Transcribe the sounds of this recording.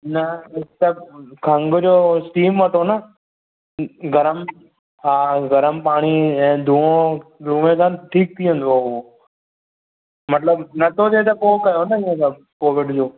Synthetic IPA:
nəɪt̪əkʰə̃ŋɡd͡ʒoːsʈiːmʋəʈʰoːnaː | ɡʱəɾəm | ɦaːɡʱəɾəmpaːɳiːɛ̃ːd̪ʱũːõːɾuːʋẽːsãʈʰiːk̚t̪ʰiːə̃nd̪ooː | mət̪ləbnət̪ʰoːd͡ʒ̪eːt̪̬ɐpoːkəjoːnəɪ̃ẽt̪ə | koːʋɪɖd͡ʑoː

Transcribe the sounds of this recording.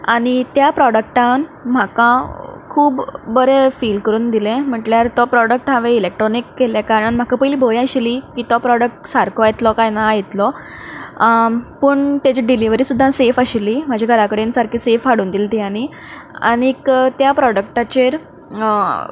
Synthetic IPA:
aɽ̃it̪japɾɔɽək̚ʈãnm̤akãkʰuːbːəɾefiːlkəɾuːnd̪ilẽm̤əʈljaɾt̪ɔpɾɔɽək̚ʈɦaʋeilek̚ʈɾɔnikːeljakaɾɳãnm̤akapəjliːbʱojaɕeliːkiːt̪ɔpɾɔɽək̚ʈsaɾkʰoajt̪lɔkajnajet̪lɔ | pəɳt̪jad͡ʑiɖiliʋəɾiːsud̪ʱːãsefəɕelim̤ad͡ʑʱaɡʱəɾakəɽensaɾkʰiːsefɦaɽuːnd̪ilt̪iani | a̰ñikt̪japɾɔɽək̚ʈat͡ɕeɾ

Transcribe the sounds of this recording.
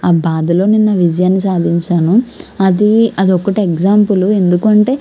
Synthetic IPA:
aːbaːd̪ɐlo̞ːninːɐʋid͡ʒɐjaːnːisaːd̪ʱiɲt͡ʃaːnuɐd̪iɐd̪iɔkːɐʈieɡd͡ʒaːmpulue̞nd̪ukuɐɳʈe̞ː

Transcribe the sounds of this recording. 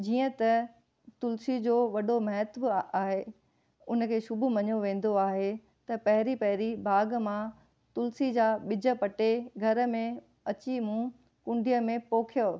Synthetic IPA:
d͡ʑiːə̃t̪ɐ | t̪ʊlsid͡ʑoːʋɐɗomɐɦɛt̪baːɦe | ʊnə̆kʰeːʃʊbʊmɐɲoʋẽːn̆d̪oaːɦe | t̪ɐpɐɦɪɾipɐɦɪɾibʱaːɡmã | t̪ʊlsid͡ʑaːɓɪd͡ʑə̆pɐʈeɡʱɐɾə̆mẽ | ɐt͡ɕimũ | kʊ̃ɳɖʱijəmẽpoːkʰijo

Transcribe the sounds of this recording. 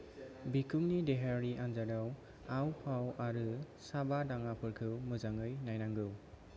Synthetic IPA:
bikʰumnideɦaɾiʔanzadaw | awpʰawaɾɯ | sabadaŋapʰɯɾkʰɯwmɯzaŋɯjnajnaŋɡɯw

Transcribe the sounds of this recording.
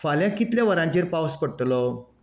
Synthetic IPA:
faljakit̪ljaʋəɾãɲt͡ɕeɾpaʋəspəɽʈ̪lo

